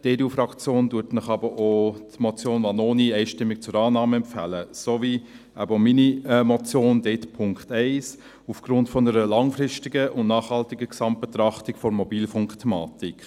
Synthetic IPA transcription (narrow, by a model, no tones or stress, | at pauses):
d̥eːɾufɾɑkt͡sjoːnduətnəχɑbəʔotmɔt͡sjoːnʋɑnoːniɛɪʃtɪmːik̚t͡sʊɾɑːnɑːməɛmpfæ̰ləsovi | æ̰bominimɔt͡sjoːndetpʰʊŋkχtɛɪs | ufɡ̥ɾʊntfɔnəɾəlɑŋfɾɪʃtiɡəʔʊnnɑːχhɑltiɡəksɑmt̚b̥ɛt̪ɾɑχtikfɔɾmɔbiːlfʊŋktʰɛmɑ̰ːtik